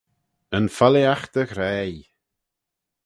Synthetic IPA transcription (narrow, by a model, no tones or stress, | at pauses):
ənfaliaxt̪əɣɾɛːj